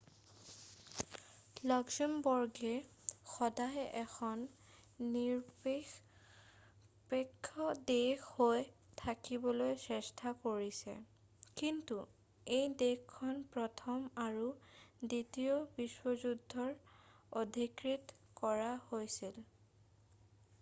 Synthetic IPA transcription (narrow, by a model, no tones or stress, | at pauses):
lɔɡsimbɔɹɡɛ | xɔdajɛxʰɔnː | iɹ | pekʰːɔdexhoj | tʰakibɔlojsɛstʰakoɹisɛ̰ | kintu | ejdexkʰːɔnpɹɔtʰɔmaɹuditiɔbiswɔzudʱːɔɹodʱikɹitkɔɹahojsil